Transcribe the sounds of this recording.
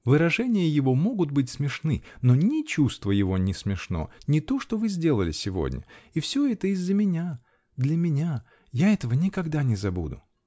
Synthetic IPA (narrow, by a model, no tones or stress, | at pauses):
vɨɾɐʐɛnʲɪjəjɪvo̞mo̞ɡʊt̪̚bɨtʲsmʲɪʂnɨnonʲɪt͡ɕust̪vəjɪvo̞nʲɪsmʲɪʂno̞̰nʲɪt̪o̞ʂt̪ovɨzʲdʲe̞lˠəlʲɪ̰sʲɪvo̞̰dʲnʲə̰ifsʲoɛt̪əɪzːəmʲɪnʲa | d̪lʲəmʲɪnʲa | jaɛt̪əvənʲɪkɐɡd̪anʲɪzɐbṵd̪ʊ̰